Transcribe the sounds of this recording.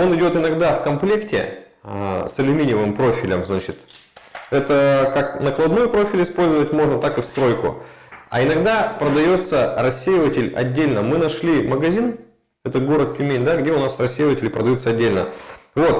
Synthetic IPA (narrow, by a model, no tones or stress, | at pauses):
o̞nɨdʲo̞t̪ɨnɐɡd̪afkɐmplʲe̞ktʲɪ̰ | sɐlʲʊmʲinʲɪvɨmpɾo̞fʲɪlʲəmznat͡ɕɪt̪ | ɛt̪əkaknəklˠɐd̪nujʊpɾo̞fʲɪlʲɪspo̞lʲzəvətʲmo̞ʐnət̪akɨfst̪ɾo̞jkʊ̰ɐ̰ɪnɐɡd̪apɾəd̪ɐjo̞t̪sərɐsʲːejɪvətʲɪlʲɐ̰dʲːelʲnəmɨnɐʂlʲiməɡɐzʲin | ɛt̪əɡo̞ɾət̪̚kʲlʲɪmʲenʲd̪aɡdʲeʊnasrɐsʲːejɪvətʲɪlʲɪpɾəd̪ɐjut̪səɐdʲːelʲnə̰vo̞t̪